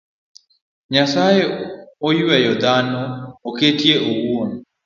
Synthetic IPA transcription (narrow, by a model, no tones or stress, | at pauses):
ɲasajeojuwɛjɔd̪anɔːketieʔowwoni